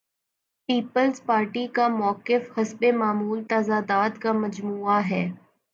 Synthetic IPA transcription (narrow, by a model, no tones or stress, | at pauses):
piːpəlzpaːɾʈikamɔːkɪfhɐsbemaːmuːlt̪aːzad̪aːd̪kamɐd͡ʒmuːaɦɛː